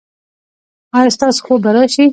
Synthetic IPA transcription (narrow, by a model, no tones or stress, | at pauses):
ɑjɑst̪ɑːso̥xobaɾaʃi